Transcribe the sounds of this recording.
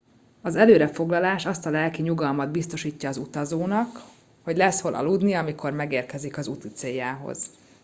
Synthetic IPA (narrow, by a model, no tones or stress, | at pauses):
ɒzɛløːɾɛfo̞ɡlɒlaːʃɒst̪ɒlɛlkiɲuɡɒlmɒd̪̚bist̪o̞ʃiːcːɒːzut̪ɒzoːnɒk | ho̞ɟlɛsho̞lʔɒ̰lud̪niɒmikʰo̞rmɛɡeːrkɛzikɒzut̪it̪seːjːaːɦo̞̰z̥